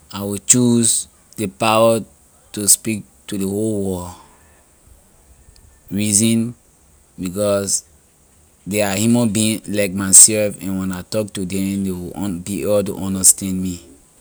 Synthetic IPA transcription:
awit͡ʃuz | depawə | tuspik̚ | tudeholwɔ | ɹizĩn | bikɔs | deahimɔ̃nbĩlaɪk̚maɪsɛlfɛ̃nwɛ̃natɔk̚tudɛ̃mdewĩbiebɔt̬ṵʔɔ̃ndəstɛ̃ndmi

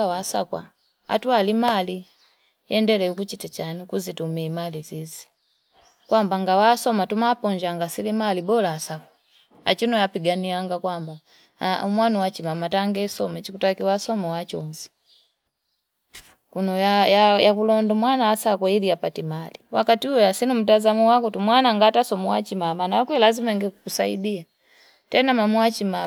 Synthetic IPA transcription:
awasa̰kwa̰ | a̰tualimali | jɛndɛlɛukut͡ʃitat͡ʃanikuzitumɛmalizizi̥ | kwambaŋɡawasɔmatumaːpɔɲd͡ʒaŋɡasilimalibɔlaːsakwa | a̰t͡ʃinɔjapiɡaniaŋɡakwamba | mwanuwat͡ʃimamataŋɡɛsɔmɛt͡ʃikutakiwasɔmawat͡ʃɔm̩zi̥ | kunɔjajajakulɔndɔmwanaːsakwailiapatimaliwakatiujɔjasinum̩tazamuwakutumwanaŋɡatasɔmuat͡ʃimamanajakwlazimaŋɡɛkukusaḭdia | tɛnamamuat͡ʃima

